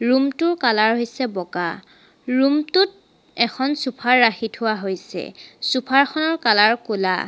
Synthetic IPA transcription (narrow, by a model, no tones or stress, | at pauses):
ɹumtʊɹkalaɹɦojsɛbɔka | ɹumtʊt̚ | ɛkʰɔnsupʰaɹːaxitʰhʊwaɦojsɛ̰supʰaɹxʰɔnɔɹkalaɹkula̰